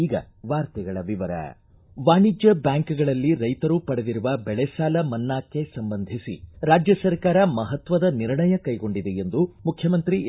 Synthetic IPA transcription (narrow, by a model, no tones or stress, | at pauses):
iːɡɐ̰ | ʋaːɾt̪ɛɡɐɭɐʋiʋɐɾɐ̰ | ʋaːɳid͡ʒjɐbjaːŋkɡɐɭɐlːiɾɐjt̪ɐɾupɐɽed̪iɾuʋɐbɛɭesaːlɐmɐnːaːkːe̞sɐmbɐnd̪ʱisḭɾaːd͡ʒjɐsɐɾkaːɾɐmɐɦɐt̪ʋɐd̪ɐniɾɳɐjɐkɐjɡo̞ɳɖid̪e̞end̪umukʰjɐmɐnt̪ɾi